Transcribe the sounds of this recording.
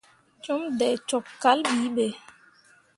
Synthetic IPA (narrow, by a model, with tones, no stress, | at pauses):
t͡ʃo˦mdɛ˨t͡ʃɔ˨kkːa˦lɓiː˨˦ɓe˨